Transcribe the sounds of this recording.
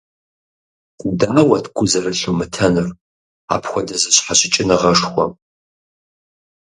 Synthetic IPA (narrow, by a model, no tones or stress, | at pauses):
udaːwɐtʰɡʷʼʊzɐrɨɬomɨtʰɐnɨr | a̰ːpʰxʷɔdɐzɨɕħaɕɪt͡ʃʼɪnɨʁɐʂxʷɔ̰m